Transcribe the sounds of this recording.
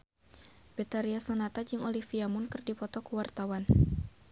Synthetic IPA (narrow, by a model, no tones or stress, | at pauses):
bet̪aɾiasanat̪ad͡ʒɨŋolifiamʊnkɨrdipɔt̪ɔkuwart̪awan